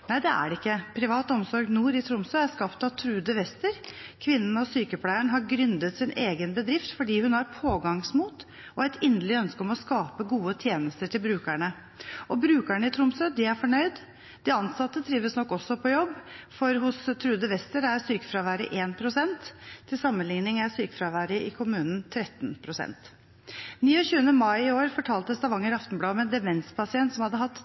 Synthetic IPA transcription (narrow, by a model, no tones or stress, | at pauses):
næɪd̪ɛʔæ̰ɖɪkːəpʰɾɪʋɑːt̪ɔmsɔɾɡnuːɾɪt̪ʰɾʊmsœæɾskɑpt̪ɑʋt̪ʰɾʉːd̪əʋɛst̪əɾkʰʋɪnːənəɔsyːkəpʰlæɪəɳəɦɑɾɡɾʏnd̪ət̪sɪneːɡənbəd̪ɾɪft̪fɔɖiːhʉnhɑɾpʰoːɡɑŋsmuːt̪ | ʔɔæt̪ʰɪnd̪əlɪœnskəɔmɔskɑːpəɡuːət̪ʰjeːnəst̪əʈʰɪlbɾʉːkæɳə | ʔɔbɾʉːkæɳəɪt̪ʰɾʊmsœd̪ɪæɾfɔɳœʏd̪ | d̪ɪɑnsɑt̪ːət̪ʰɾiːʋəsnɔkːɔsːɔpʰɔjɔbːfɔɾɦʊst̪ʰɾʉːd̪əʋɛst̪əɾæɾsyːkə̥fɾɑːʋæːɾə̰ʔeːnpʰɾʊsɛnt̪ʰːɪlsɑmːənlɪŋnɪŋæsyːkəfɾɑʋæːɾəʔɪkʰʊmʉːnn̩t̪ʰɾɛt̪npʰɾʊsɛ̰nt̪ | niːɔɕʉːənəmɑɪɪoːɾfɔʈʰɑːlt̪əst̪ɑʋɑŋːəɾɑft̪n̩blɑːɔmɛnd̪ɛmɛnspʰɑsɪɛnt̪sɔmhɑd̪ːəɦɑt̪ː